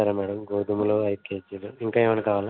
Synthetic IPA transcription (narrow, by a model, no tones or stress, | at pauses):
ɐɾɐmɛːɽɐmɡoːd̪umuloːɐjkeːd͡ʒiloːiŋkaeːʋɐnɐkaːʋaːla